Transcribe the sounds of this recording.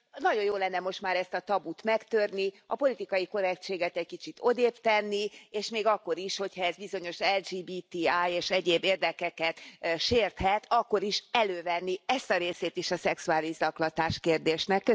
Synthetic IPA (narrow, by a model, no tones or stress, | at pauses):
nɒɟo̞joːlɛnːɛmo̞ʃt̪maːɾɛst̪ɒt̪ɒbut̪mɛkt̪ørni | ɒpo̞lit̪ikɒjiko̞ɾɛkt͡ʃeːɡɛt̪ɛckit͡ʃit̪ʰo̞d̪eːpt̪ɛnːieːʃmeːɡɒkːo̞ɾiʃho̞chɒɛzbizo̞ɲo̞ʃɛld͡ʒiːbiːt̪iaːjeːʃɛɟeːbːeːrd̪ɛkɛkɛt̪ʃeːrt̪hɛt̪ɒkːo̞ɾiʃɛløːvɛnːiɛst̪ɒɾeːseːt̪iʃɒsɛksuaːlizɒklɒt̪aːʃkeːrd̪eːʃnɛkːø